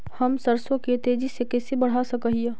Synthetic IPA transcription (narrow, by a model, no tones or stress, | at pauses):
hɐmsɐɾsõket̪eːd͡ʒisekɛːsebɐɽ̤ɦasɐkəɦie